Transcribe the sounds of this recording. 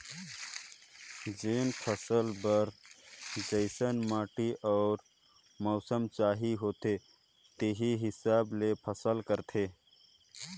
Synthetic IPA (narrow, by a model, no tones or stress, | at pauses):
d͡ʒeːnpʰəsəlbəɾ | d͡ʒəɪsənmaːʈiʔɔːɾ | mɔːsəmt͡ʃaːɦiɦoːt̪e | t̪eɦiɦɪsaːblepʰəsəlkəɾt̪ʰe